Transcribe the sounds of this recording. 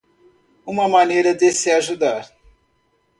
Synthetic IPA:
ũmɐmɐ̃nejɾɐd̪esɪaʒud̪aɾ

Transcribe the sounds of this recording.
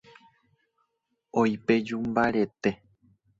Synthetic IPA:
ojped͡ʒumbaɾe̞t̪e̞

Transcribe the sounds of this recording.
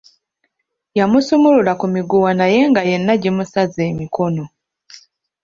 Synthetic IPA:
jamusumululakumiɡuwanaje̞ŋɡaje̞nːaɟimusaze̞ːmiko̞no̞

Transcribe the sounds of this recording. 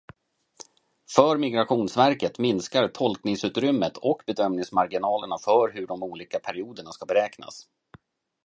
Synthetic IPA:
fœːɾmɪɡɾaɧuːnsvæɾkət̪mɪnskaɾt̪ʰɔlknɪŋsʉ̟ːt̪ɾʏmːət̪ʰɔkbɛd̪œmnɪŋsmaɾɡɪnɑːləɳafœɾɦɵɖɔmuːliːkapʰæɾɪuːd̪əɳaskabɛɾɛːkna̰s

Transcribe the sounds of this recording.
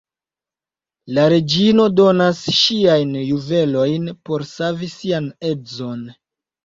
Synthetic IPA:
laɾe̞d͡ʒino̞do̞nasʃiajnjuve̞lo̞jnpo̞ɾsavisiane̞zo̞n

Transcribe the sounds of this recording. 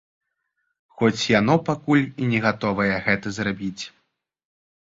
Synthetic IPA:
xɔt͡sʲjanɔpakulʲinʲɛɣat̪ɔvɐjɛɣɛt̪ɐzrabʲit͡sʲ

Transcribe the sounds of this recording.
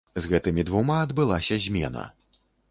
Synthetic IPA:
zɣɛt̪ɨmʲid̪vumaɐd̪bɨlˠasʲɐzʲmʲɛ̰nɐ̰

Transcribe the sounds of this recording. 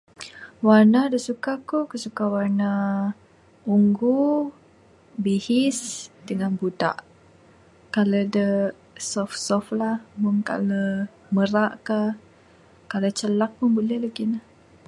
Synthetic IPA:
warnadəsukakukəsukawarna | uŋɡu | bihɪsdəŋanbuda̰ʔ | kaladə | sɔfsɔflahmʊŋka̰lə | məraʔka | kalat͡ʃəlak̚punbulɛhlaɡinah

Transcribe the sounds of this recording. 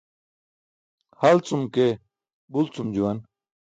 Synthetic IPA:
hɐlt͡sumke | bult͡sumd͡ʑuwɐn

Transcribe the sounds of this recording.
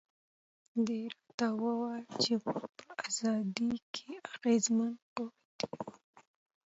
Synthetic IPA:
d̪eɾat̪awəwalt͡ʃewapəaz̥ɑd̪ikʰeaɣezmanko | d̪i̥

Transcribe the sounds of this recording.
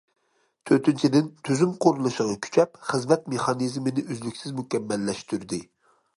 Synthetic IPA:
t̪ʰøɾt̪ʰɪnt͡ʃʰid̪ɪnt̪ʰyzymqʰoɾulˠɨʃəʁɑkʲʰy̥t͡ʃʰɛpχəzmɛt̪meχɑnizmɪnɪʔøzlykʲsɪzmukʲɛmːɛlːɛʃt̪yɾd̪ɪ

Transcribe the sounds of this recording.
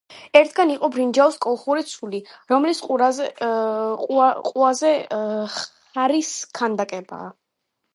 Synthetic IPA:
ɛɾt̪ʰɡaniqʼɔbɾind͡ʒauskʼɔlˠχuɾit̪sʰuliɾɔmlisqʼua | qʼuazɛ | aɾiskʰand̪akʼɛba̰ː

